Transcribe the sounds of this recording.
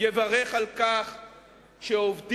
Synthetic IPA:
jevaʁeχalkaχ | ʃeovd

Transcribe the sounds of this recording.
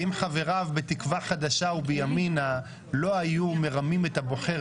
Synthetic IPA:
imχave̞ʁavbetikvaχad̪aʃaubejamina | lo̞ajume̞ʁamime̞t̪abo̞χe

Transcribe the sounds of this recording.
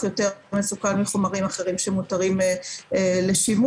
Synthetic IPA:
jo̞te̞mesukanmiχomaʁimaχe̞ʁimʃemutaʁim | le̞ʃimu

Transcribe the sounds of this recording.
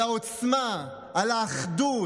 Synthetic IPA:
aot͡sma | alaːχd̪u

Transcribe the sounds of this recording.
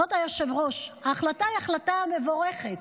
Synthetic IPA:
ot̪ajoʃe̞vʁo̞ʃhaːχlataiaχlatame̞vo̞ʁeχet̪

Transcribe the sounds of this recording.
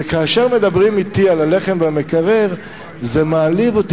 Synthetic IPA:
kaːʃeʁme̞d̪abʁimit̪ialaleχe̞mvamekaʁeʁ | zemaːlivot̪

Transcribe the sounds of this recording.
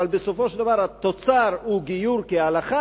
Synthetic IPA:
albeso̞fo̞ʃeld̪avaʁhat̪o̞t͡saʁhuɡijuɾkealaχa

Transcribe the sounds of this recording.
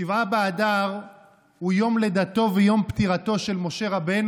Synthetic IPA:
ivabeːdaʁ | hujo̞mle̞d̪at̪o̞vejo̞mpt̪iʁat̪o̞ʃe̞lmo̞ʃe̞ʁabe̞n

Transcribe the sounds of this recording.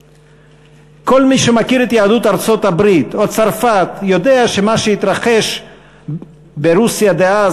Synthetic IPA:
ko̞lmiʃemakiɾet̪jaːd̪ut̪aʁt͡so̞t̪habɾit̪ot͡saʁfat̪jo̞d̪e̞aʃemaʃeit̪ɾaχe̞ʃ | beɾusjad̪ea

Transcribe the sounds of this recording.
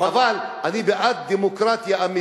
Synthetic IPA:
avalanibeʔat̪̚d̪emokɾat̪jaami

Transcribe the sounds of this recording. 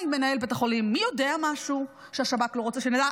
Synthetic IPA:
me̞nae̞lbet̪aχo̞limːijo̞deamaʃu | ʃeaʃabat̪lo̞ʁot͡seʃenad̪a

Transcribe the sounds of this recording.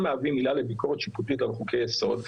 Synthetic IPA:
meavimilalebiko̞ʁet̪ʃiput̪it̪alχukejeso̞d̪

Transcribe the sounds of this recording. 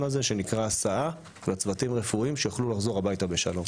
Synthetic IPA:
mazeʃe̞nikʁaːsaa | lat͡svatimʁefuimʃejaχlulaχzo̞ʁabajtabe̞ʃa̰lo̞m

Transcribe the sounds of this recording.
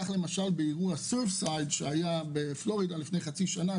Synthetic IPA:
aχlemaʃalbeiʁuasefsajdʃeajabeflo̞ʁidalifnejχat͡siʃana

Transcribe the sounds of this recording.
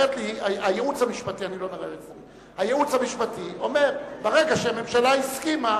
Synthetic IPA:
et̪liaajeut͡shamiʃpatianilo̞niʁeet | hajeut͡shamiʃpat̪io̞me̞ʁbeʁeɡaʃeame̞mʃalaiskima

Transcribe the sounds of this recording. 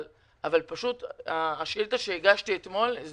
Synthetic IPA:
l | ʔavalpaʃut̪aːʃilt̪aʃeeɡaʃt̪iet̪mo̞lz

